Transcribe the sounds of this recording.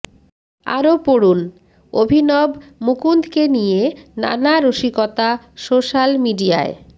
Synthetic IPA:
a̰ɾopoɽun | obʱinɔbmukund̪ʱkenijena̰naɾoʃikɔt̪a | soʃalmiɖia̰e

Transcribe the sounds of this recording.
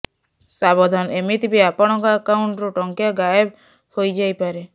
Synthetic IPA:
sabɔd̪ʱanemit̪ibiapɔɽ̃ɔŋkaakawɳʈɾuʈɔŋkjaɡajeb | hojd͡ʒajpaɾe

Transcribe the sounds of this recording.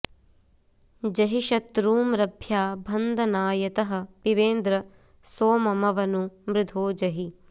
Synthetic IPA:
d͡ʒɐɦiʃɐt̪ɾuːmɾɐbʱjaːbʱɐnd̪ʱɐnaːjɐt̪ɐɦɐ̆piʋeːnd̪ɾɐ | soːmɐmɐʋɐnumɾɪd̪ʱoːd͡ʒɐɦi

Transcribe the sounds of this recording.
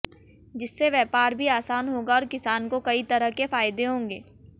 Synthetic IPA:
d͡ʒɪsːeʋjɛːpaːɾbʱiaːsaːnɦoːɡaɔːɾkɪsaːnkokɐit̪ɐɾəɦkefaːjd̪eɦõːŋɡeː

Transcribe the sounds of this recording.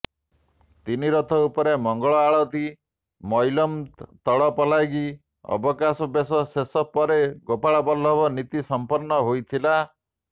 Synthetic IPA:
t̪iniɾɔt̪ʰɔupɔɾemɔŋɡɔɭɔaɭɔt̪i | mɔjlɔmt̪ɔɭɔpɔlajɡi | ɔ̰bɔkasɔbesɔsesɔpɔɾeɡopaɭɔbɔlɔbɔnit̪isɔmpɔɾnɔɦojt̪ʰila

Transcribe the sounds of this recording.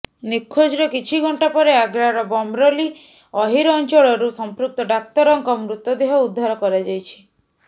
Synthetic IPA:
nikʰːod͡ʒɾɔkit͡ʃʰiɡʱɔɳʈapɔɾeaɡɾaɾɔbɔmɾɔli | ɔɦiɾɔnt͡ʃɔɭɔɾusɔmpɾuk̚t̪ɔɖakt̪ɔɾɔŋkɔmɾut̪ːɔd̪eɦɔud̪ʱːaɾɔkɔɾad͡ʒajt͡ʃʰi̥

